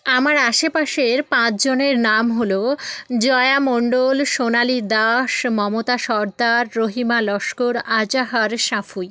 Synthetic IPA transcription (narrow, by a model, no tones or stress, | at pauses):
amaɾaʃepaʃeɾpãt͡ɕʰd͡ʑoneɾnamɦolod͡ʑɔeamoɳɖolʃonalid̪aʃmɔmot̪aʃɔɾd̪aɾːoɦimalɔʃkoɾad͡ʑaɦaɾʃafuj